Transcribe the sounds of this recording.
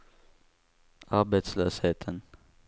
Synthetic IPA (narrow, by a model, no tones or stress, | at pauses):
ʔɑɾbet̪sløːsheːt̪ʰən